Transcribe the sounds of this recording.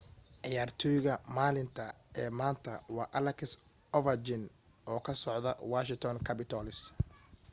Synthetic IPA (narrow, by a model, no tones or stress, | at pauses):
ʕɪjaːrt̪ʰɔjɣɐmaːlɪnt̪ʰɐ | ɛːmaːnt̪ʰɐwɑːʔɐlɐkʰɪs | ɔvɐd͡ʒɪn | ɔːkʰɐsɔʕðɐ̰waːʃɪŋt̪ʰɔnkʰɐpɪt̪ʰɔlɪs